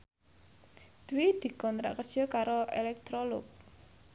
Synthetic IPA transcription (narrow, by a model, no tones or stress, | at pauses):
d̪̥wid̪̥i̤kɔnt̪ɾa̰ʔkərd̥ʒ̥ɔ̤kaɾoʔelɛk̚t̪ɾolʊk̚